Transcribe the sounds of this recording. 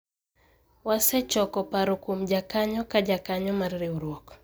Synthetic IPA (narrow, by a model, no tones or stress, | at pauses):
wasɛt͡ʃɔkɔpaɾʊkumd͡ʒakaɲɔkad͡ʒakaɲɔmarɾiuɾwɔk